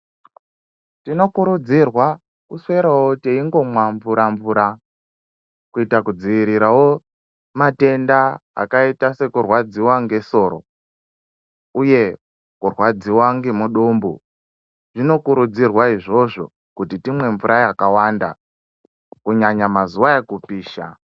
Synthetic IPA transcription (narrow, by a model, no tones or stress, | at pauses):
tino̞kuɾud͡zirwa | kuswe̞ɾawoteiŋɡo̞mwaɱvuɾaɱvuɾa | kuitakud͡ziʋiɾiɾawo | mate̞ndaa̰kaitase̞kurwad͡ziwaŋɡe̞so̞ːɾo̰ | uje̞ | kurwad͡ziwaŋɡimuɗombṵ | ʐino̞kuɾud͡zirwaiʐo̞ʐo̞ | kutitimwe̞ɱvuɾʔajakawanda̰ | kuɲaɲamazuwaekupiːʃa̰